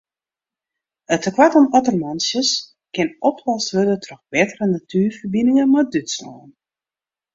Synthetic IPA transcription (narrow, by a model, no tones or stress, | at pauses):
ətʰəkwatɔmɔtərmɔnsjəs | kɪnɔpʰlɔsʋødətʰrɔxbɪtərənatʰyːrfərbinəŋəmadytslɔ̰ːn